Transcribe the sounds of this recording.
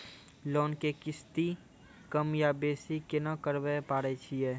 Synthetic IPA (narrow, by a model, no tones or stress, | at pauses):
loːnkekɪst̪i | kɐmjabeːsikenakəɾwəpaːɽet͡ʃʰiɛː